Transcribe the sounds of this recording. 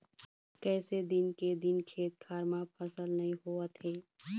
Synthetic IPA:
kɛːsed̪ɪnked̪ɪnkʰeːt̪̚kʰaːɾmãpʰəsəlnɐɦĩɦuət̪ʰeː

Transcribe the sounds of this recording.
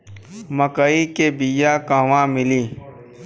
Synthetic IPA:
məkəikebijakãːwãmɪliː

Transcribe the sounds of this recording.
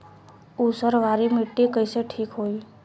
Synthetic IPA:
usəɾʋaɾimiʈːikəɪseʈʰiːkɦoːi

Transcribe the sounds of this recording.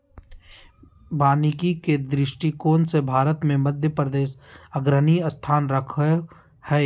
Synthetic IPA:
baːnɪkiked̪ɾɪʃʈikoːnsebʱaːɾət̪mẽməd̪ʱjəpɾəd̪eːsəɡɾəniəst̪ʰaːnɾəkʰ | hɛː

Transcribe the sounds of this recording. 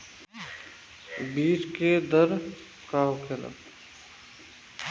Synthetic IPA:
biːt͡ʃked̪əɾ | kaːʊkʰela̰

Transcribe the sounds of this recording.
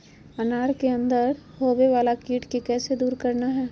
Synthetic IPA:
ɐnaːɾkeɐ̃nd̪əɾhoːbeʋaːlakiːʈkikɛːsed̪uːɾkɐɾnaɦɛː

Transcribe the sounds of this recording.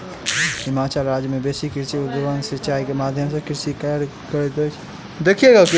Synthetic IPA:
ɦɪmaːt͡ʃaːlɾaːd͡ʒjmẽbeːsikɪɾsiɡ̪ʊʋãŋɡsɐt͡ʃaːikemaːd̪ʱjəmsekɪɾsikɐɾ | kɐɾet̪ot͡ʃʰ | d̪ekʰijeːɡak

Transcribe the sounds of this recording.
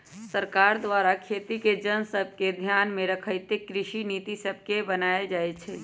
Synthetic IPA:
səɾkaːɾd̪ʋaːɾakʰeːt̪iked͡ʒənsəb̚ʱked̪ʱjaːnmẽɾəkʰəɪt̪ekɾɪʃiniːt̪isəb̚ʱkebənaːed͡ʒaːet͡ʃʰɛː

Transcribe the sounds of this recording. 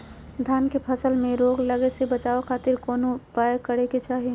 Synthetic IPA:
d̪ʱjaːnkepʰəsəlmẽɾoːɡləɡesebət͡ʃaːokʰaːt̪ɪɾkoːnopajkəɾeket͡ʃaːɦi

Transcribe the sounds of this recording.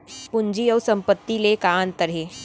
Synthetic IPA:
pʊɲd͡ʒiɔːɾsɐ̃mpət̪ːilekaːnt̪əɾeː

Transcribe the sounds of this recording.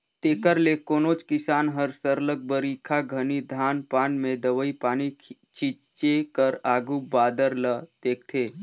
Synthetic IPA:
t̪eːkəɾlekoːnoːt͡ʃkɪsaːnɦəɾsəɾlək̚bəɾiːkʰaɡʱənid̪ʱaːnpaːnmẽd̪əʋəipaːnit͡ʃʰit͡ʃt͡ʃekəɾaːɡubaːd̪əɾlət̪eːk̚t̪ʰeː

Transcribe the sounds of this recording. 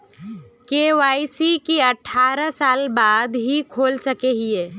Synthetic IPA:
keːʋaːisikiɐʈʰːaːɾəsaːlbaːd̪ɦikʰoːlsɐkeɦieː

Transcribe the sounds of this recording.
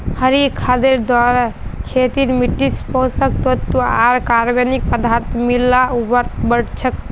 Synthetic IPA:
həɾikʰad̪eɾd̪waɾkʰet̪iɾmiʈispə̃sək̚t̪ot̪ːua̰ɾkaɾbenik̚pəd̪aɾt̪ʰmilːaubəɾt̪̚ʰbəɽt͡ʃʰək

